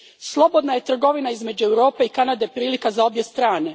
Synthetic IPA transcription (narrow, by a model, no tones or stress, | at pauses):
slˠo̞bo̞d̪naje̞t̪r̩ɡo̞ʋinaizme̞d͡ʑuewɾo̞ːpe̞ikanad̪e̞pɾiːlikazao̞bje̞st̪ɾaːne̞